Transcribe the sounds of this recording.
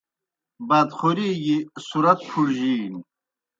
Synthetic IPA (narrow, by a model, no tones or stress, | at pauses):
bad̪χuɾiːɡisuɾɐt̪̚pʰuɽʑiːn